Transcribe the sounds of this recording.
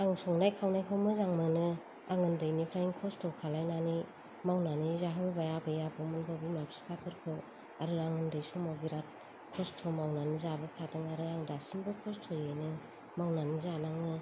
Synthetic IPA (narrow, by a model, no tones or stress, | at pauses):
aŋsɔŋnajkʰawnajkʰawmɯzaŋmɯnɯ | aŋɯndɯjnipʰɾajiŋkʰɔstʰɔkʰalajnani | mawnanizaɦɯbajabɯjabɯmɯlbabimapsi̥pʰapʰɯɾkʰɯw | aɾɯaŋɯndɯjsuŋmawbiɾat̚ | kʰɔstʰɔmawnanizabɯkʰadɯŋaɾɯaŋdasimbɯkʰɔstʰojɯjnɯ | mawnanizanaŋɯ